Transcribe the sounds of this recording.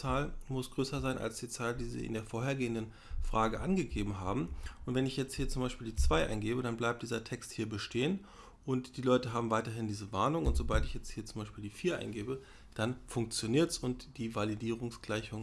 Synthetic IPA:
t͡saːlmʊsɡ̥ʁøːsɐzaɪna̰lsd̥iːt͡saːldiːzḭːʔɪ̰ndeːɐfoːɐɦeːɐɡeːəndən | fʁ̥aːɡəʔanɡəɡeːbm̩ɦaːbm̩ʔʊntv̥ɛnɪçjɛt͡sthiːɐt͡sʊmbaɪʃpiːldiːt͡sv̥aɪʔa̰ɪnɡeːbədanblaɪp̚td̥iːzɐtʰɛksthiːɐbəʃteːən | ʔʊntd̥iːlɔʏtəɦaːbm̩vaɪtɐɦɪndiːzəvaɐnʊŋʊntz̥obaltɪçjɛt͡sthiːɐt͡sʊmbaɪʃpiːldiːfiːɐʔa̰ɪnɡeːbə | d̥anfʊŋkt͡sjoniːɐtsʊntd̥iːvalidiːʁ̞ʊŋsɡ̥laɪçʊŋ

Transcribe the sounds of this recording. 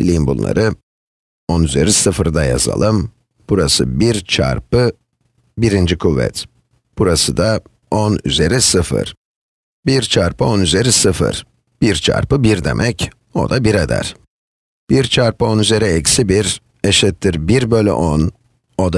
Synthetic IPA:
ilʲimbunlˠa̰ɾɯ | onyze̞ɾisɯfɾd̪aja̰za̰lˠɯm | b̥uɾasɯ̰biɾt͡ʃʰa̰ɾpɯ | biɾind͡ʒikʰuvːɛ̰t̪ | b̥uɾasɯd̪a | onyze̞ɾisɯfɯ̰ɾ̥ | biɾt͡ʃʰaɾpɯo̞nyze̞ɾisɯfɯ̰ɾ̥ | b̥iɾt͡ʃʰa̰ɾpɯbiɾd̪e̞̰mʔɛc | o̞̰d̪abiɾad̪æ̰ɾ̥ | b̥iɾt͡ʃʰaɾpɯo̞nyze̞ɾɛɛcsibiɾ | eʃɛt̪ːiɾbiɾbølʲɛ̰ʔon | od̪a

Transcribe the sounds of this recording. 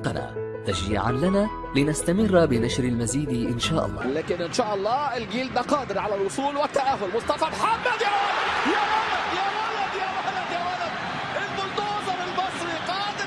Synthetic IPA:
qɑna̰ː | t̪ad͡ʒɪ̰ʕa̰nlanaː | lɪnast̪amɪrːbɪnaʃɾalmaziːd̪ʔɪnʃaːʔɑ̰lˤːɑ̰ːlaːkɪnʔɪnʃaːʔɑlˤːɑːɪlɡiːld̪naqɑːd̪ɪɾʕalalwʊsˤuːlwɪt̪ːaʔaːɦʊlmʊsˤt̪ˤɑfɑmħamːad̪jawalad̪jaːwalad̪jaːwalad̪jawalad̪jaːwalad̪̚ | ʔɪlfʊlt̪oːzɑɾˤɪlbɑsˤɾiqɑːd̪ɪ

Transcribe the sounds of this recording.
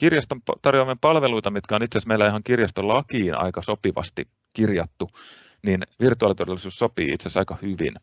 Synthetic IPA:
kirjɑst̪ompt̪ɑrjoɑmːempɑlʋeluit̪ɑmit̪kæonit̪sesmeilːæiɦɑŋkirjɑst̪olɑkiːnɑ̰ikɑsopiʋɑ̰st̪ḭ | kirjɑt̪ːu | ninʋirt̪uɑːˑlit̪odelːˑisuːssopḭːḭt̪sesɑikɑhyʋḭn

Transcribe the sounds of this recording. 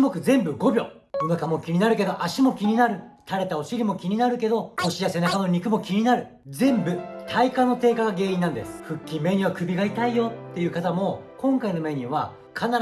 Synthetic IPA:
mo̞kɯ̟zẽ̞mbɯ̟ɡo̞bʲo̞̰ | onokamo̞kʲiɲ̟inaɾɯ̟k̬e̞d̪o̞ʔaɕimo̞kʲiɲ̟inaɾɯ̟t̪ʰaɾe̞t̪aoɕiɾʲimo̞kʲiɲ̟inaɾɯ̟ke̞d̪o̞oɕijase̞nakano̞ɲ̟ikɯ̟mo̞kʲiɲ̟inaɾɯ̟ | zẽ̞mbɯ̟t̪ʰaikãnːo̞t̪e̞ːkaɡaɡe̞ːĩnːãnd̪e̞̰sɨ̥ɸɯ̟kʲːime̞ːɲ̟ĩβakɯ̟bʲiɡait̪aijo̞t̪ːe̞jɯ̟ːkat̪amo̞kõ̞ŋkaino̞me̞ːɲ̟ĩβa | kʰanaɾ

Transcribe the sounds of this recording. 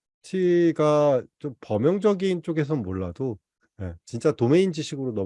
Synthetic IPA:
t͡ɕʰiɡat͡ɕ͈ompʌmjʌŋd͡ʑʌɡint͡ɕ͈oɡe̞s̬ʰʌmoɭːado | je̞t͡ɕint͡ɕ͈atome̞ind͡ʑiɕʰiɡɯɾonʌ

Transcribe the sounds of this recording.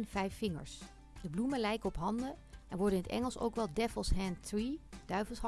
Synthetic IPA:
nv̥ɛjfːɪŋə̰ɹs | d̥əbluməlɛjkəɔpɦɑndəʔɛnʋɔɹdənɪnətɛ̰ŋəlˠso̰wkʋɛlˠdɛfəlˠsɦɛntrid̥œɥvəlˠs

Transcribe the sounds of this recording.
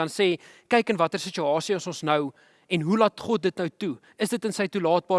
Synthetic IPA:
ɐnsɛː | kɛjkənvɐtərsət͡ʃyɑːsiəsonsnœw | ɛnɦulɑːtχɔt̚dətnœwtu | əsdətənsəjtulɑːt̚bɑː

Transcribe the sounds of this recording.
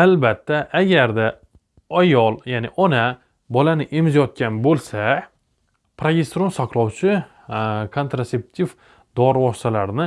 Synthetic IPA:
albat̪ʰːaʔːɡʲaɾd̪a | ajɒlˠjanɪʔɒna | bɒlanɪʔemzjɒt̪̚kʲanbolˠsa | pʰɾoɡʲest̪ɾonsɒqlˠɒwt͡ʃʰɪ | kʰont̪ɾase̞p̚t̪ʰif | d̪ɒɾwɒst̪alaɾnɪ

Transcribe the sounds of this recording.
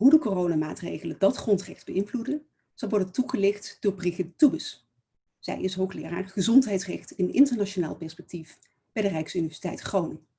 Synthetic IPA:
ɦudəkorownamaːtrḛjχələndɑtχrɔntrɛχdbəɪnvludən | z̥ɑlˠʋɔɹdəntuχəlɪχtd̥ʊːɹbriχɪtːubəs | z̥ɛ̰jɪsɦowχlɪ̰ːɹa̰ːɹχəzɔntɦɛjtsrɛχtɪnɪntəɹnaʃonaːlˠpɛɹspɛk̚tif | b̥ɛjdərɛjksynivɛɹzi̥tɛ̰jtχrownɪŋ

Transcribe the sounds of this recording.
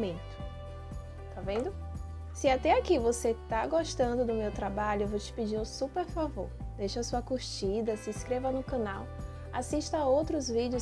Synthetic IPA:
mẽt̪ʊ̥ | t̪avẽnd̪ʊ | sɪat̪ɛakivoset̪aɡoʃt̪ɐ̃nd̪ʊd̪ʊmewt̪ɾabaʎʊewvowt͡ʃɪ̥pid͡ʒiɾʊsupeɾfavo̰ɾd̪ejʃɐasuɐkuɾt͡ʃid̪ɐsɪskɾevɐnʊkɐ̃naw | a̰siʃt̪ɐowt̪ɾʊzvid͡ʒɪʊ

